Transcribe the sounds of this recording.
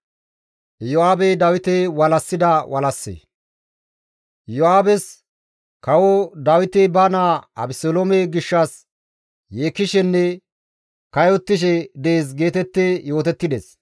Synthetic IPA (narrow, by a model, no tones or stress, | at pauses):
jɔaːbɛd̪ɐwɪt̪ɛwɐlɐsːɪd̪ɐwʔɐlɐsːḛː | jɔaːbɛs | kɐwɔd̪ɐwɪt̪ɛbɐnaːɐ̰bɪsolomeɡɪʃːɐs | jeːkːɪʃɛnːɛ | kɐjɔt̪ːɪʃ̬ɛd̪eeːsɡe̞ːt̪ɛt̪ːejo̞ːt̪ɛt̪ːɪd̪ɛs